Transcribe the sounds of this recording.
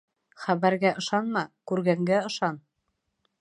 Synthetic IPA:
χæβæɾɡæʔɤ̆ʃɑnmɑkʉɾɡæŋɡæɤ̆ʃɑn

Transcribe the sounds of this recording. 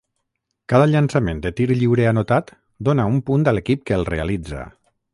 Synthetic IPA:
kaðəʎansamend̪ət̪iɾʎiwɾeanot̪at̪ | d̪onaumpund̪əlekip̚kəːlˠrealid͡za̰

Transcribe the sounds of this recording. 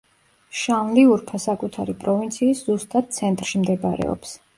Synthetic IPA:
ʃanliuɾpʰasakʼut̪ʰaɾipʼɾɔvint̪sʰiːszust̪ʼad̪̥̚t̪sʰɛnt̪ʼɾʃimd̪ɛba̰ɾɛ̰ɔ̰ps

